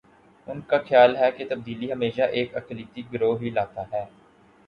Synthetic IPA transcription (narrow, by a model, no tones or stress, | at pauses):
ʊnkaːxʰɪjaːlɦɛːket̪əb̚d̪iːliːɦəmeːʃaːʔeːkəkliːt̪iɡɾoːɦiːlaːt̪aːɦɛː